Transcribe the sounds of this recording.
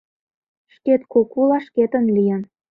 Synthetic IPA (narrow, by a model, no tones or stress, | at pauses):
ʃket̪kokulɑʃket̪ə̆nlʲijən